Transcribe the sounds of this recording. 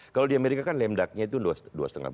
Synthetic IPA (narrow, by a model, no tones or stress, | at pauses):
kalodiameɾikakanlɛmdak̚ɲait̪udsdua̰sət̪ə̰ŋa̰h